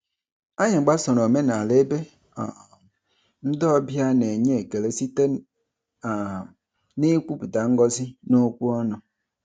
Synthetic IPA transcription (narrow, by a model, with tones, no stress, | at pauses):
a˦ɲɪ˨ɡ͡ba˦sɔ˨ɾo˨me˦n˨a˨le˦be˦˨ | n̩˦dɔ˦ɔ˦bi˦a˦ne˨ɲe˦˨ɡe˨le˦si˦te˦˨ | nɪ˦kʷu˦pi˨ta˨ŋ̩˦ɡɔ˦sɪ˦no˦kʷu˦ɔ˦nʊ˨